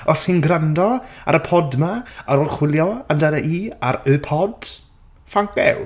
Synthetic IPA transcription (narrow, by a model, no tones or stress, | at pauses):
ɔshɪnɡrandɔa̰ɾəpʰɔdmaaɾolχwɪlˠjɔamdanaʔiːaɾəpʰɔd̥ | faŋkbɛ̰w